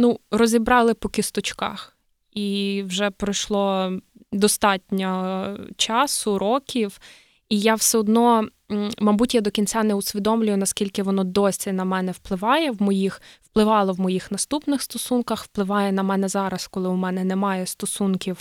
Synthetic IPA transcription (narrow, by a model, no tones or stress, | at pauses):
nurɔzʲibɾɑlˠɪpɔkɪst̪ɔt͡ʃkɑ̰x | iwʒɛpɾɪjʃlˠɔ | d̪ɔst̪ɑtʲnʲɐt͡ʃɑsʊɾɔkʲiw | ijawsɛɔd̪nɔ | mɐbutʲjad̪ɔkʲinʲt͡sʲanɛʊsʲʋʲid̪ɔmlʲʊjʊnɐskʲilʲkɪʋɔnɔd̪ɔsʲinɐmɛnɛwplˠɪʋɑjɛwmɔjixwplˠɪʋɑlˠɔʋmɔjixnɐst̪upnɪxst̪ɔsunkɐxwplˠɪʋɑjɛnɐmɛnɛzɑɾɐskɔlˠɪʊmɛnɛnɛmɑjɛst̪ɔsunkʲiw